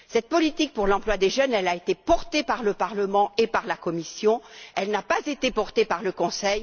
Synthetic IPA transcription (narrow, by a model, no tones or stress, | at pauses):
sɛt̪̚pɔlit̪ik̚puʁlɑ̃plwad̪eʒœnɛlaet̪epɔʁt̪epaʁləpaʁləmɑ̃epaʁlakɔmisjɔ̃ɛlnapazet̪epɔʁt̪epaʁləkɔ̃sɛj